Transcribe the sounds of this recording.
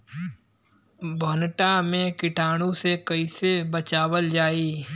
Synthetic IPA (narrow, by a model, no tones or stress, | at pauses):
bʱɔnʈamẽkɪʈʰaːɽ̃ũsekəisebət͡ʃaːwəld͡ʒaːiː